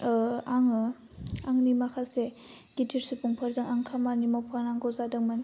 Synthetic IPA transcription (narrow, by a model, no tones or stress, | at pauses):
aŋ | aŋnimakʰase | ɡ̥itʰiɾsupuŋpʰaɾzaŋaŋkʰamanimapʰanaŋɡɔzadɯŋman